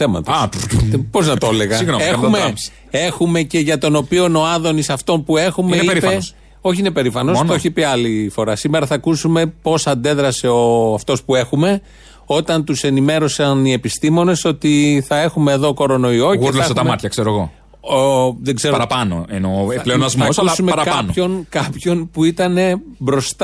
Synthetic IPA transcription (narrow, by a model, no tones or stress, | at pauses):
θe̞mɐ̰t̪o | po̞znɐt̪oleɣɐsiɣnexume̥ | e̞xume̞ce̞ʝɐt̪o̞no̞pio̞no̞ɐðo̞nisɐft̪o̞npue̞xumeiɾipes | o̞çiinepe̞ɾifɐno̞seoçipiɐlifo̞ɾɐsime̞ɾɐθɐkusume̞po̞sɐnd̪e̞ðɾɐse̞o̞ɐft̪o̞spue̞xume̞ | o̞t̪ɐnt̪use̞nime̞ɾo̞sɐnie̞pist̪imo̞ne̞so̞t̪iθɐe̞xume̞ːðo̞ko̞ɾo̞no̞io̞ɣeleset̪ɐmmɐt̪çɐkseɾoeɣo̞̰ | ðeɡze̞ɾɐɾɐpɐno̰enopleonɐzmoɐsɐusɐsumeɐɾɐkɐɐnoço̞nkɐpço̞npuit̪ɐne̞bɾo̞st̪